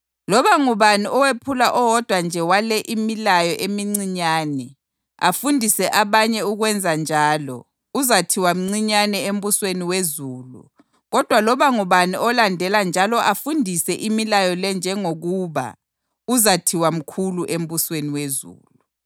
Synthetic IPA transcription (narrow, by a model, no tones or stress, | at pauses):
lɔβaŋuβaniʔɔwepʰulaʔɔwɔd̥ʱwand͡ʒʱɛwalɛʔimilajɔʔemiŋ͡ǀiɲaːnɛ | a̰fundʱisɛʔaβaɲɛuɣwɛnd͡zʱand͡ʒʱaːlɔ̰ | uzatʰiwam̩ŋ͡ǀiɲanɛem̩busweniwezuːlṵ | ɣɔd̥ʱwalɔβaŋuβaniɔlandʱɛland͡ʒʱalɔʔafundʱisɛʔimilajɔlɛnd͡ʒʱɛŋoɣuːβa̰ | uzatʰiwam̩kʰuluʔem̩busweniwezṵːlu